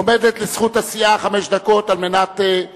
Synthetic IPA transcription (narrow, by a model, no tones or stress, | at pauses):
omevet̪lesχutasiʔaχameʃd̪ako̞talme̞nat̪e